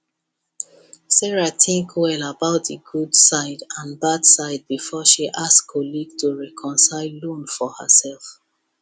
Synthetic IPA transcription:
sɛɹatʰɪ̃ŋkwɛlabaʊt̚ðəɡudsaɪdãnbad̥saɪd̚bifɔʃiʔaskʰɔliɡtʰuɹɛkʰɔ̃nsaɪllũnfɔhə̰sɛlˠf

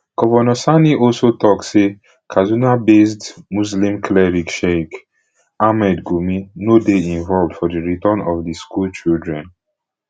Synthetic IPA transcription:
ɡ̥ovɛnɔsaniɔlsotɔksse | kʰazunabesdmuslĩmkʰlɛɹikʃek | amɛdɡuminodeĩnvɔlvdfɔdiɹitɔ̃nɔvdiskult͡ʃildɹɛ̃n

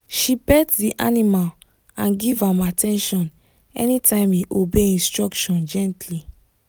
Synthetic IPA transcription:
ʃibɛtdiʔa̰nimal | ãnɡivãmatʰɛ̃nʃɔ̃n | ɛ̰nitʰãɪ̃miʔobeĩnstɹɔkʃɔ̃nd͡ʒɛ̃ntli

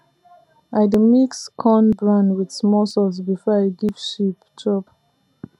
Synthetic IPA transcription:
ʔaɪdmikskʰɔ̃nbɹãndwið̥smɔsɔlsbifɔaɪɡiv̥ʃiptʰɹɔp

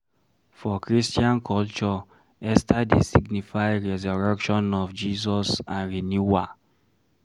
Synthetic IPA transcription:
fɔkɹistiãnkʰɔlt͡ʃɔ | ɛstadesiɡnifaɪɹɛzɔɹɛkʃɔ̃nɔfd͡ʒizɔsãnɹenjua

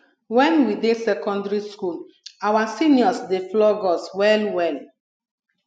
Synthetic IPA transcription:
wɛ̃nwidesɛkɔ̃ndɹiskul | awasiniɔsdeflɔɡɔswɛlwɛl

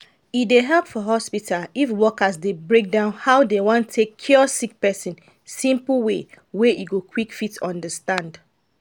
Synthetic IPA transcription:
ideɦɛlˠpfɔɦɔspitʰalifwɔkəsdebɹek̚dãʊ̃nhaʊdewɔ̃ntʰːekʰːjɔsik̚pɛsĩn | sĩmpl̩we | weʔiɡokʰwikfitɔ̃ndəstãnd

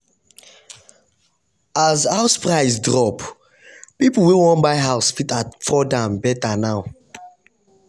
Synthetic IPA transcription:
azhaʊspɾaɪzdɾɔp | pipul̩wiwɔ̃nbaɪɦaʊsfitatfɔdãmbɛtanaʊ

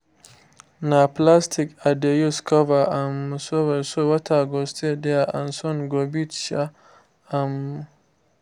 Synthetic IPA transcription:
naplastʰɪkadejuskʰɔvaʔamsɔwɛsowɐtʰaɡɔstedɛaʔansɔnɡobitʃa | am

